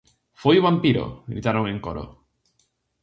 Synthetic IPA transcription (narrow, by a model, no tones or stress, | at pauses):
fojuβampiɾo̰ɡɾit̪aɾoŋeŋkoɾo̰